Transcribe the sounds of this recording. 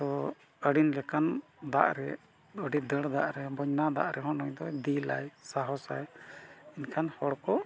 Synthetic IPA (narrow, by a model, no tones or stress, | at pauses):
t̪ɔ | əɽinlɛkand̪a̰ʔɾɛ | əɖid̪əɽd̪a̰ʔɾɛbɔɲnad̪a̰ʔɾɛɦɔnɔɲd̪ɔd̪ila̰jsaɦɔsajinkʰanhɔɽkɔ